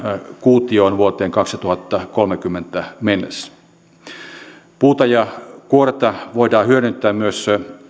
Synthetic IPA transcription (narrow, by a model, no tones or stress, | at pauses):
kuːt̪ioːnʋuot̪eːŋkɑksit̪uhɑt̪ːɑkolmekymːent̪æmenːḛs | puːt̪ɑjɑkuoret̪ɑʋoidɑːhyøɾynt̪ːˑæːmyøs